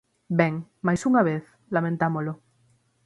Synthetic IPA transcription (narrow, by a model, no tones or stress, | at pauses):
beŋmajsuŋaβeθ | lamẽnt̪amolo